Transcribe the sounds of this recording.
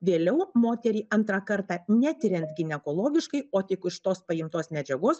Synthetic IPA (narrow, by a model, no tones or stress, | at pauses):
ʋʲeːlʲɛʊmoːt̪ʲɛɾʲiːɐnt̪ɾɑkɐɾt̪ɑːnʲɛt̪ʲɪɾʲɛnt̪ɡʲɪnʲɛkoːlˠoːɡʲɪʃkɐɪoːt̪ʲɪkɪʃt̪oːspɐjɪmt̪oːsmʲɛd͡ʒʲɛɡoːs